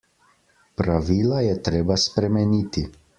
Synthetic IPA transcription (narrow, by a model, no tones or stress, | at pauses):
pɾaʋiːlajɛt̪ɾeːbaspɾɛmɛniːt̪i